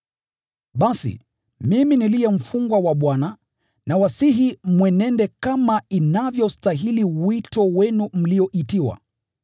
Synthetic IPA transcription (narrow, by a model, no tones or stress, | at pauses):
ɓasḭ | miminiliɛm̩fuŋɡwawaɓwana | nawasiɦimwɛnɛndɛkamainavjɔstaɦiliwitɔwɛnum̩liɔʔitiwa̰